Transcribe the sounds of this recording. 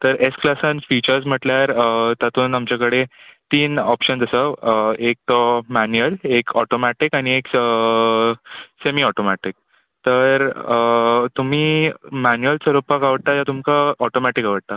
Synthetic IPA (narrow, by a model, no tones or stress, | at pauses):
t̪əɾesklasanfit͡ɕəɾsm̤əʈljaɾt̪at̪ʰuːnamt͡ɕakəɽet̪iːnɔpɕənd͡zəsəek̚t̪ɔmænuəlekɔʈomaʈikañiekə | semiɔʈomaʈik̚ | t̪əɾət̪um̤iːmænuəlsəɾopakaʋəɽt̪ajat̪umkaɔʈomaʈikaʋəɽt̪a